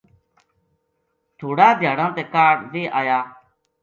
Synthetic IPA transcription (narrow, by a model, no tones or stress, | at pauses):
t̪ʰoːɽaːd̪ʱjaːɽãːt̪eːkaːɽʋeːʔaːjaː